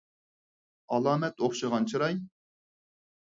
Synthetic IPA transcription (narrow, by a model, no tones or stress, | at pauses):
ɑlˠɑːmɛt̪oχʃɨʁɑnt͡ʃʰiɾɑj